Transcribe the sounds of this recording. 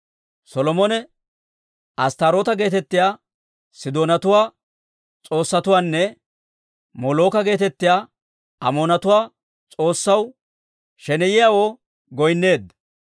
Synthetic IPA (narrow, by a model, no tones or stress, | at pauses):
sɔlɔmɔnɛ | ʔɐst̪aɾo̞ːt̪ɐɡe̞ːt̪ɛt̪ːɪjaː | sɪd̪oːnɐt̪ʊwaː | t͡sʼo̞ːsːɐt̪ʊwaːnːɛ | mɔlo̞ːkɐɡe̞ːt̪ɛt̪ːɪjaː | ɐmoːnɐt̪ʊwaː | t͡sʼo̞ːsːɐw | ʃɛnɛjɪjawoː | ɡɔjnːe̞ːd̪ɐ